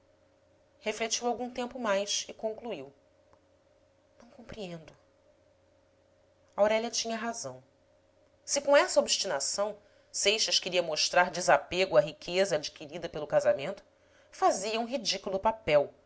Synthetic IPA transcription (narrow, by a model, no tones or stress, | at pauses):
heflet͡ʃiwawɡũt̪ẽmpʊmajsɪkõŋkluiw | nɐ̃w̃kõpɾiẽnd̪ʊ | awɾɛʎɐt͡ʃĩɲɐɦazɐ̃w̃ | sɪkõɛsɐobiʃt͡ʃinasɐ̃w̃ | sejʃɐʃkeɾiɐmoʃt̪ɾaɾd͡ʒɪzapeɡʊɐɦikʰezɐːd͡ʒikiɾid̪ɐpelʊkazamẽnt̪ʊ̥ | faziɐũɦid͡ʒikulˠʊpapɛw